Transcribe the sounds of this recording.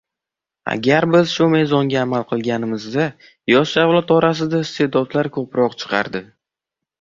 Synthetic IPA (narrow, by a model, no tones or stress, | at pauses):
a̰ɡʲaɾbɪz̥ʃume̞jzɒŋɡʲaːmalˠqʰɨlˠɡʲanɪmɪzd̪a | jɒʃavlˠat̪ɒɾas̬ɪd̪aɪst̪ʰe̞d̪ɒd̪laɾkʰɵpɾɒqt͡ʃʰɨ̥qʰɑ̰ɾd̪ɪ